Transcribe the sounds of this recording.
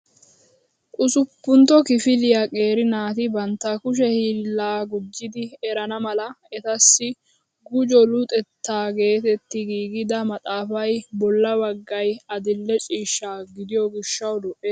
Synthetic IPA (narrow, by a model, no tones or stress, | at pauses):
ʔʼʊsʊpːʊnt̪ɔkɪfɪlɪjakʼe̞ːɾɪnaːt̪ɪbɐnt̪ːɐkʊʃ̬ɛhiːlːaːɡʊd͡ʒːɪd̪ɪɛɾɐnɐmɐlɐ | ɛt̪ɐsːɪ | ɡʊd͡ʒɔlʊt̪ʼɛt̪ːaːɡe̞ːt̪ɛt̪ːɪɡiːɡɪd̪ɐmɐt̪ʼaːfɐjbɔlːɐbɐɡːɐjɐd̪ɪlːɛt͡ʃʼiːʃːaːɡɪd̪ɪjɔɡɪʃːɐwd̪ʊʔe